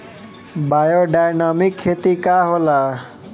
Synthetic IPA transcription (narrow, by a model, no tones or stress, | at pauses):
bajoɖajnamikʰːet̪ikaɦola